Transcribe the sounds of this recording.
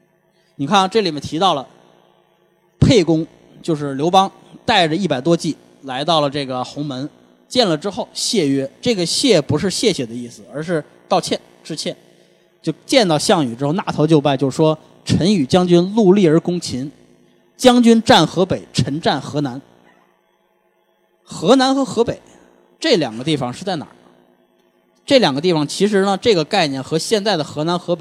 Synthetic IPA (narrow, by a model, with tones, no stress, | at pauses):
ni˨˩kʰa˥˩n˩ʈ͡ʂɤ˥˩li˨˩mɛ˥˩nt̪ʰi˧˥t̪ɑ˥˩ʊlə˩ | pʰe˥˩ɪkʊ˥ŋ | t͡ɕjo˥˧ʊʂɻ̩˥˩ljo˧˥ʊpɑ˥ŋ | t̪a˥˩ɪʈ͡ʂə˩i˥˩pa˨˩ɪt̪̬wɔ˥t͡ɕi˥˩ | la˧˥ɪt̪ɑ˥˩ʊlə˩ʈ͡ʂɤ˥˩ɡə˩xʊ˧˥ŋmə˧˥n | t͡ɕjɛ˥˩nlə˩ʈ͡ʂɻ̩˥xo˥˩ʊɕjɛ˥˩ɥɛ˥ʈ͡ʂɤ˥˩ɡə˩ɕjɛ˥˩pu˧˥ʂɻ̩˥˧ɕjɛ˥˩ɕjɛ˨˩d̪ə˦i˥˩sɹ̩˩ə˞˧˥ʂɻ̩˥˧ | t̪ɑ˥˧ʊt͡ɕʰjɛ˥˧n | ʈ͡ʂɻ̩˥˧t͡ɕʰjɛ˥˩n | t͡ɕjo˥˧ʊt͡ɕjɛ˥˧nt̪ɑ˥˧ʊɕjɑ˥˩ŋy˨˩ʈ͡ʂɻ̩˥xo˥˧ʊna˥˩t̪ʰo˧˥ʊt͡ɕjo˥˧ʊpa˥˧ɪt͡ɕjo˥˩ʊ˩ʂwɔ˥ | ʈ͡ʂʰə˧˥ny˨˩t͡ɕjɑ˥ŋt͡ɕy˥nlu˥˧li˥˩ə˞˧˥kʊ˥ŋt͡ɕʰi˧˥n | t͡ɕjɑ˥ŋt͡ɕy˥nʈ͡ʂa˥˩nxɤ˧˥pe˨˩ɪʈ͡ʂʰə˧˥nʈ͡ʂa˥˩nxɤ˧˥na˧˥n | xɤ˧˥na˧˥nxɤ˧˥xɤ˧˥pe˨˩ɪ | ʈ͡ʂɤ˥˩ljɑ̰˨˩ŋɡə˦t̪i˥˩fɑ˨˩ŋʂɻ̩˥˧t͡sa˥˩ɪna̰˨˩ə˦ | ʈ͡ʂɤ˥˩ljɑ˨˩ŋɡə˦t̪̬i˥˩fɑ˨˩ŋt͡ɕʰi˧˥ʂ̬ɻ̩˧˥nə˧ʈ͡ʂɤ˥˩ɡə˩ka˥˧ɪnjɛ˥˩nxɤ˧˥ɕjɛ˥˧nt͡sa˥˩ɪd̪ə˩xɤ˧˥na˧˥nxɤ˧˥pe˨˩